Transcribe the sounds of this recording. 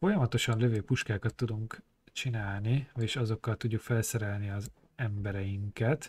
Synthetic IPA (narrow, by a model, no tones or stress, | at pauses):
fo̞jɒmɒt̪o̞ʃɒnløvøːpuʃkaːkɒt̪ːud̪uŋk | t͡ʃinaːlnieːʃɒzo̞kːɒlt̪uɟːukfɛlsɛɾɛlniɒz | ɛmbɛɾɛjiŋkɛt̪